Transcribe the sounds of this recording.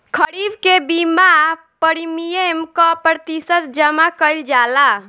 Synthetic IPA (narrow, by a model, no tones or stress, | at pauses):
kʰəɾibkebima | pəɾimijemkɔpɾət̪isət̪d͡ʒəmakəjld͡ʒala